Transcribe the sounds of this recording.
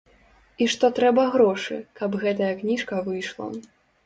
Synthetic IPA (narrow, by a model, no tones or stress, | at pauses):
iʂt̪ɔt̪ɾɛbɐɣɾɔʂɨ̰kɐbɣɛt̪ɐjɐknʲiʂkɐvɨjʂlˠɐ̰